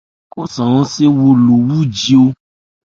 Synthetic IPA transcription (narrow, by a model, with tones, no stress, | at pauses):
ko˦sɔ̃˨ɔ̃˦se˦wo˧lo˨wu˦˨d͡ʒi˧o˧